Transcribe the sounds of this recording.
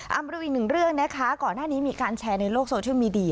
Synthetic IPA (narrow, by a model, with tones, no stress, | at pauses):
ʔa˧ma˧ɾu˧˥˩ʔi˨˩nɯ˨˩ŋɾɯ˥˩əŋna˦˥kʰa˦˥kɔː˨˩nːaː˥˩niː˦˥miː˧kaː˧nt͡ɕʰɛː˧na˧jloː˥˩k̚soː˧t͡ɕʰi˥˨miː˧di˧˩˧